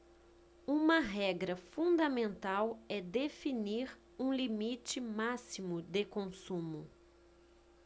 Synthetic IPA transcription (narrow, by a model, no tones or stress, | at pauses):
ũmɐɦɛɡɾɐfũd̪ɐmẽnt̪awɛd̪efiniɾ | ũlimit͡ʃɪmasimʊd̪ekõsũmʊ